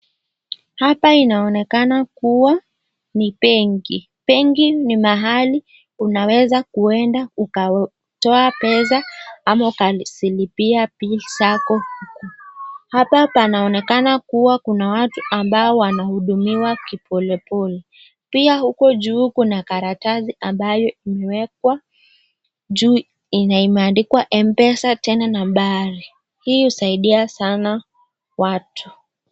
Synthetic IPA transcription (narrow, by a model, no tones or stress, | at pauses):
hapainaɔnɛkanakuwa | nipɛŋɡḭ | pɛŋɡinimaɦali | unawɛzakuɛndauka | tɔapɛzaamaukasilipiapisakɔhukɔhapapanaɔnɛkanakuwakunawatuʔambaɔwanahuɗumiwakipʰɔlɛpɔlɛ | piahukɔʄuːkunakaɾataziʔambajɔimɛwɛk̚wa | ʄuː | inaimɛandikwaʔɛm̩pɛsatɛnanamɓaɾi | hiːhusaiɗiasana | watʰu̥